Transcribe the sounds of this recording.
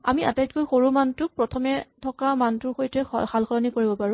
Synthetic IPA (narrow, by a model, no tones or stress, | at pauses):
a̰miʔa̰tajtkojxoɹumantʊk̚pɹɔtʰɔmɛtʰɔkamantʊɹxojtɛ̰xʰalxɔɹɔnikoɹibɔpaɹʊ̃